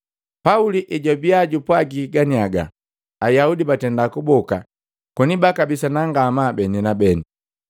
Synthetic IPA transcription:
pauliʔɛɟɔbiaɟupwaɡiɡaniaɡa̰ | ajaudibatɛndakubɔka | kɔnibakabisanaŋɡamabɛninabɛni

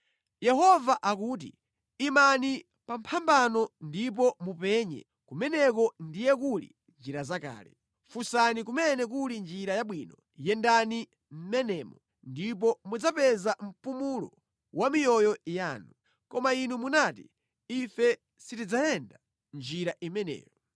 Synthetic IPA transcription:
jɛɦɔvaʔakuːt̬ḭ | imani | pam̩pʰambanɔndip̬ɔmupɛɲɛ̰ | kumɛnɛkɔndijɛkulḭ | nd͡ʒiɾazaka̰ːlɛ̰ | fusanik̬umɛnɛk̬ulind͡ʒiɾajaɓwinɔ | jɛndani | m̩mɛnɛːmɔ | ndip̬ɔmud͡zapɛzam̩pumulɔ̰ | wamijɔjɔjaːnu | kɔmainumunatḭ | ifɛ | sitid͡zajɛnda | nd͡ʒiɾaʔimɛnɛ̰ːjɔ

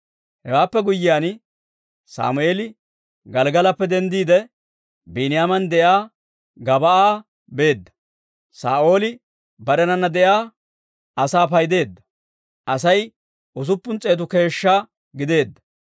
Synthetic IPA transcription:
hɛwaːpːɛɡʊjːɪjaːn | sa̰ːmʊeːlɪ | ɡɐlɡɐlɐpːɛd̪ɛnd̪iːd̪ɛ | biːnɪjaːmɐnd̪ɛjaː | ɡɐbɐʔaː | be̞ːd̪ːɐ̥ | sa̰ːʔo̞ːlɪ | bɐɾɛnɐnːɐd̪ɛjaː | ɐsaːpɐjd̪e̞ːd̪ːɐ̥ | ʔɐsɐj | ʔʊs̬ʊpːʊnt͡sʼːe̞ːt̪̬ʊke̞ːʃːa | ɡɪd̪e̞ːd̪ːɐ̥

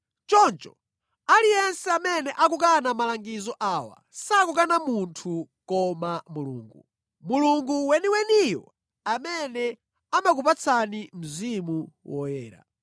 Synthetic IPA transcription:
t͡ʃɔnt͡ʃɔ | alijɛnsɛamɛnɛʔakuk̬anamalaŋɡizɔʔaːwa̰ | sakukanamuntʰu | kɔmamulṵːŋɡu | muluŋɡuwɛniwɛnijɔ̰ | amɛnɛ | amak̬upat͡sʰanim̩zimuwɔ̰jɛːɾa̰

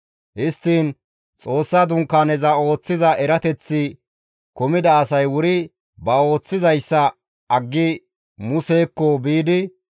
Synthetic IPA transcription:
hɪst̪ːiːn | t͡sʼo̞ːsːɐd̪ʊŋkːaːnɛzɐo̞ːt͡sːɪzɐʔɛɾɐt̪ɛt͡sːɪ | kɔmɪd̪ɐːsɐjwʊɾɪ | bɐo̞ːt͡sːɪzɐjsːɐ | ɐɡːɪ | mʊse̞ːkːɔbiːd̪ɪ

